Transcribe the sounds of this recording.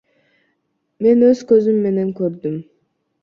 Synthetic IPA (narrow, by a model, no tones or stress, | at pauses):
me̞nø̞z̥kø̞zymːe̞ne̞ŋkøɾd̪ym